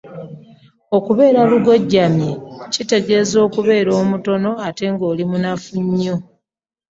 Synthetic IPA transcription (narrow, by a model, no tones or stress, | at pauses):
o̞kuβe̞ːɾaluɡo̞ɟːamjecite̞ɡe̞zo̞ːkuβe̞ːɾo̞ːmuto̞no̞ate̞ŋɡo̞ːlimunafuɲːo̞